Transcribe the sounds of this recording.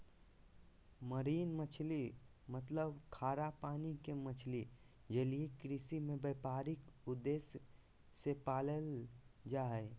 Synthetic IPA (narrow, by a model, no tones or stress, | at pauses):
məɾiːnmət͡ʃʰlimət̪ləbkʰaːɾapaːnikemət͡ʃʰli | d͡ʒeliekɾɪsimẽbeːpaːɾɪkʊd̪ːeːs | sepaːləld͡ʒaːɦe